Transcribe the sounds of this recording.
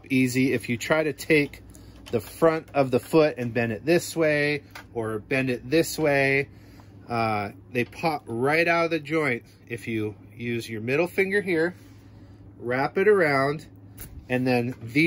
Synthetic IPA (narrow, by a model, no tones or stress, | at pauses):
piziɪfjɨtʰɹ̥aɪɾɨtʰeɪk̚ | ðɨfɹʌ̃ntʌvðəfʊɾɨ̃nbɛ̃ndɨt̪̚ðɪsweɪə˞bɛ̃ndɨt̪̚ðɪsweɪ | ʌ | ðeɪpʰɑp̚ɹaɪɾaʊɾʌðɨd͡ʒɔ̃ɪ̃nt | ɨfjɨ | jʉzjə˞mɪɾl̩ˠfɪ̃ŋɡə˞ɦiɹ | ɹæpɨɾə˞ãʊ̃nd | ɨ̃nðɨ̃nði